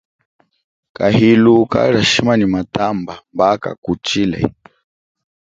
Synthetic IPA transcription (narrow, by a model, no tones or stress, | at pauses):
kahiluka̰ɺaʃimanimat̪ambambaka̰kut͡ʃilɛ̰